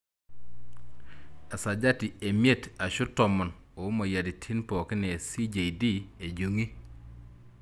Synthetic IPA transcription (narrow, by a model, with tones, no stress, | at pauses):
a˨sa˨d͡ʒa˦ti˨e˨mje˦˨ta˨ʃʊ˦tɔ˨mɔ˨n | o˨˦mo˨ja˨di˨tʰi˦npɔ˨kɪ˦ne˨si˦d͡ʒe˨idi˦e˨d͡ʒu˨ŋi˦